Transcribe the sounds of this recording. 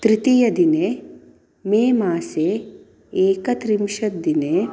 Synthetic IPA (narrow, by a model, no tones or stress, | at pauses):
t̪ɾit̪ijɐd̪ineː | meːmaːseː | eːkɐt̪ɾimʃɐd̪ineː